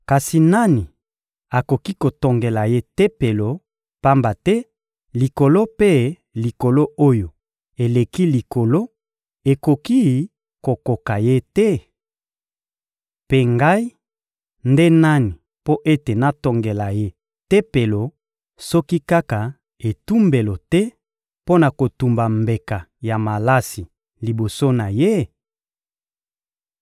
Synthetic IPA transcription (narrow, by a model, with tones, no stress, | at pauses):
ka˨si˨na˦ni˨ | a˨ko˨ki˦ko˨to˨ŋɡe˨la˨je˦tɛ˦pe˨lo˨ | pa˦mba˨tɛ˦ | li˨ko˨lo˦pe˦ | li˨ko˨lo˦ʔo˦jo˨ | e˨le˨ki˦li˨ko˨lo˦ | e˨ko˨ki˦ | ko˨ko˨ka˨je˦tɛ˦ | pe˨ŋɡa˦i˦ | nde˦na˦ni˨ | po˦ʔe˦te˨na˦to˨ŋɡe˨la˨je˦ | tɛ˦pe˨lo˨ | sɔ˦ki˦ka˦ka˨ | e˨tu˦mbe˨lo˨tɛ˦ | po˦na˨ko˨tu˨mba˨mbe˨ka˨ja˨ma˨la˦si˨ | li˨bo˨so˦na˨je˦